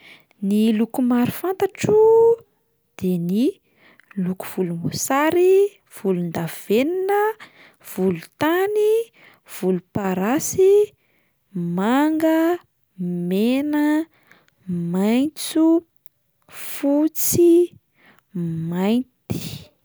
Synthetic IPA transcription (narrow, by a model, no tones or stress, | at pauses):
nilukumaɾufant̪aʈ͡ʂu | d̪̥eni | luku̥v̥ulumosaɾi | v̥ulund̪av̥eninə | v̥ulut̪ani | v̥ulupaɾasi | maŋɡə | menə | majnt͡su | fut͡si | majnt̪i̥